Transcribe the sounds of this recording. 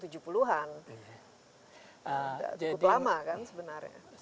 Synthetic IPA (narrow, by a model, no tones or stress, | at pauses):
t̪ud͡ʒupuluɦan | əda̰d͡ʒaudlamakansəbənarɲa̰